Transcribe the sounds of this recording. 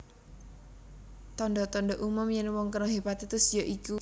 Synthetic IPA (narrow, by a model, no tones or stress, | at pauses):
t̪ɔndɔt̪ɔnɖɔʔumʊmjɛnwɔŋkəɾoɦebat̪et̪ʊsjɔʔiku